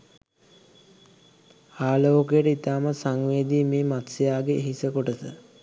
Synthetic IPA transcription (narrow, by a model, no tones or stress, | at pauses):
aːloːkəjəʈəit̪aːməsaŋʋeːd̪iːmeːmat̪sejaːɡeːɦisəkoʈəsə